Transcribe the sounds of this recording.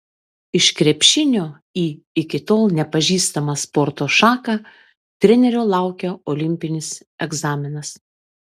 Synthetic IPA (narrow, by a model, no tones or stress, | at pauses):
ɪʃkɾʲɛpʲʃʲɪnʲoː | iː | ɪkʲɪt̪oːlˠnʲɛpɐʒʲiːst̪ɐmɑspɔɾt̪oːʃɑːkɑ | t̪ʲɾʲɛnʲɛɾʲoːlˠɑˑʊkʲɛɔlʲɪmʲpʲɪnʲɪs | ɛɡzɑːmʲɪnɐs